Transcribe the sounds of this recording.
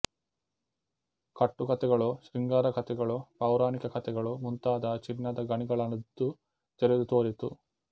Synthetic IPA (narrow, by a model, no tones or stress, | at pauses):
kɐʈːukɐt̪ɛɡɐɭuʃɾiŋɡaːɾɐkʰɐt̪ɛɡɐɭupɐːwɾaːnikɐkʰɐt̪ɛɡɐɭumunt̪aːd̪ɐt͡ʃinːɐd̪ɐɡɐɳiɡɐɭɐnɐd̪u | t̪ɛɾed̪ut̪o̞ːɾit̪u